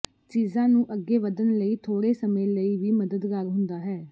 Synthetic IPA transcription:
t͡ʃiːzãːnũːʔəɡːeːʋəd̪ənləiːt̪ʰoːɽeːsəmẽːləiːʋiːməd̪əd̪kaɾɦʊnd̪aːɦɛː

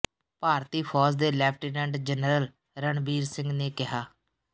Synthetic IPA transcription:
paːɾt̪iːpʰɔːzd̪eːlɛːpʰʈiːnɛ̃ːɳɖd͡ʒənɾəl | ɾəɳbiːɾsɪ̃ŋɡneːkɪɦaː

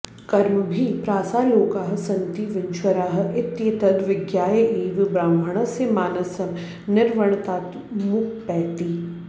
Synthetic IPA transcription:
kɐɾmbʱipɾaːsaːloːkaːɦsɐ̃nt̪iʋɪnʃwəɾaːɦɪt̪jet̪ɐd̪ʋɪɡjaːjəʔiːʋbɾaːmbʱəɽ̃ɐsemaːnɐsɐm | nɪɾʋɐɳ̃t̪aːt̪ | mʊk̚ʰpɛːt̪i

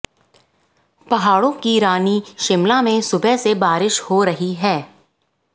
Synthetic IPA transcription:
pɐɦaːɽõkiɾaːniʃɪmlamẽsʊbɛsebaːɾɪʃhoɾɐɦiɦɛː

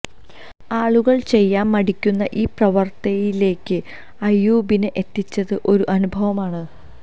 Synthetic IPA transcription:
aːɭuɣɐɭt͡ɕe̞jːaːmːɐɽikʲːunːɐʔiːprɐʋɐrt̪ɐjile̞ːkːɨ | ɐjːuːbineʔet̪ːit͡ɕːɐðɨʔo̞ɾuʔɐnubʱɐʋɐmaːɳɨ

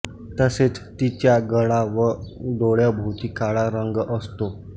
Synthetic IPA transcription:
t̪əset͡st̪it͡ɕjaɡəɭaʋəd̪oɭjabʱowt͡ɕikaɭaɾəŋɡʔəst̪o

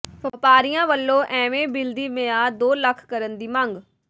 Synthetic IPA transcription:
pəpaːɾijãːʋəlːõːʔɛːʋẽːbɪld̪iːmeãːd̪oːləkʰkəɾənd̪iːməŋɡ

